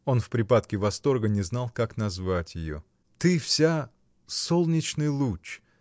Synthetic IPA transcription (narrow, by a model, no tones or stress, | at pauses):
o̞nfpɾʲɪpat̪̚kʲɪvɐst̪o̞rɡənʲɪznɑlˠkaknɐzvatʲjɪjo̰ | t̪ɨfsʲa | so̞lˠnʲɪt͡ɕnɨjlˠut͡ɕ